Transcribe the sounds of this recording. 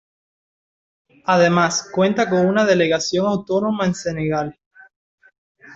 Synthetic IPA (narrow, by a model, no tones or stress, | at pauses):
aðe̞maskwẽ̞nt̪ako̞ŋunaðe̞le̞ɣasjo̞ŋawt̪o̞no̞maense̞neɣal